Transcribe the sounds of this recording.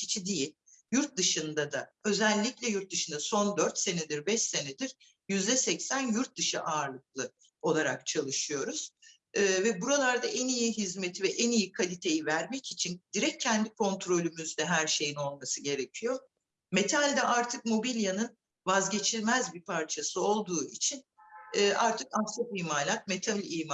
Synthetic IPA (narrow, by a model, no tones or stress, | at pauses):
cʰi̥t͡ʃʰid̪ijilʲ | juɾt̪̚d̪ɯʃɯnd̪ad̪aø̞zɛlʲːiclʲɛjuɾt̪̚d̪ɯʃɯnd̪aso̞nd̪øɾt̪se̞ned̪iɾbɛʃse̞ned̪iɾ̥ | jyzd̪ɛsɛcsænjuɾt̪̚d̪ɯʃɯʔaːɾlˠɯk̚lˠɯ | o̞lˠaɾak̚t͡ʃʰalˠɯʃɯjo̞ɾuz̥ː | vɛbuɾalˠaɾd̪aʔɛnijiɦizmet̪ʰivɛʔɛnijikʰalʲit̪ʰe̞jivæɾmɛcit͡ʃʰind̪̥iɾɛc̚ʰːɛnd̪ikʰo̞nt̪ʰɾo̞lʲymyzd̪ɛɦæɾʃe̞jino̞lˠmasɯɟe̞ɾe̞cʰijo̞ | me̞t̪ʰalʲd̪ɛʔaɾt̪ʰɯk̚mo̞bilʲjanɯn | vazɟe̞t͡ʃʰilʲmæzbipʰaɾt͡ʃʰasɯo̞lˠd̪uːit͡ʃʰin | ɛːʔaɾt̪ʰɯkant̪ʰat̪iːmaːlʲat̪̚me̞t̪ʰalʲiːma